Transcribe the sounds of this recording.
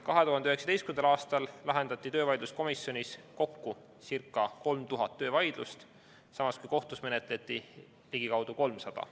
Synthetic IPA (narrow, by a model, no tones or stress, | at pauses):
kɑɦe̞t̪uɦɑnd̪eyeksɑ̥t̪estkymend̪ɑlɑːst̪ɑlːɑɦe̞nd̪̥ɑt̪ˑːit̪øːvɑjd̪lusko̞misjo̞nisko̞kːu | sirkːˑɑko̞lmt̪uɦɑt̪ːøːvɑjd̪̥lust̪ | sɑmɑskujko̞ht̪usme̞net̪ˑle̞t̪ːˑi | liɡ̥ikɑwd̪̥uko̞lmsɑd̪̥ɑ̰